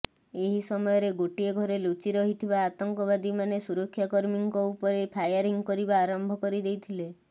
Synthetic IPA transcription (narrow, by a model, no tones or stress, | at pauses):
eɦisɔmɔjɔɾeɡoʈieɡʱɔɾelut͡ʃiɾɔɦit̪ʰibaːt̪ɔŋkɔβad̪imanesuɾɔkʰːjakɔɾmiŋkɔupɔɾepʰajɔɾiŋkɔɾibaːɾɔmbʱɔkɔɾid̪ejt̪ʰile